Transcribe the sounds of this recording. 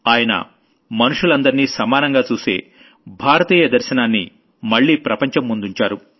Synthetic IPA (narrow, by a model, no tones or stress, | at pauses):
aːjɐnɐ̰ | mɐnuʂulɐnd̪ɐɾiniːsɐmaːnɐŋɡaːt͡ʃuːse̞̰ː | bʱaːɾɐt̪iːjɐd̪ɐɾʃɐnaːnːḭ | mɐɭːiːpɾɐpɐɲt͡ʃɐmːund̪uɲt͡ʃaːɾu